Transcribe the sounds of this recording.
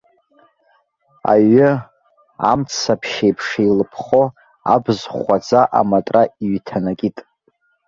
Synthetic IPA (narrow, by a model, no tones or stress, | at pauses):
a̰ɥɪ | amt͡sʰapʰʃejpʰʂailɨpʰχo | a̰bzχʷad͡zaʔa̰matʼraiɥtʰanakʲʼitʼ